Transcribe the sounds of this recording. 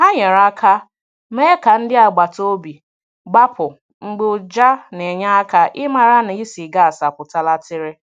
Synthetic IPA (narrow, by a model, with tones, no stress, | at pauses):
ha˦ɲe˨ɾa˦kʰa˦ | me˦ka˨n̩˦dɪ˦a˨ɡ͡ba˨to˦bi˨ | ɡ͡ba˦pʊ˨ | ŋ͡m̩˦ɡ͡bʊ˦d͡ʒa˦ne˨ɲa˦a˦ka˦ʔɪ˦ma˨ɾa˦na˨i˦si˨ɡa˦a˨sa˨pʊ˨ta˦la˦tɪ˦ɾɪ˦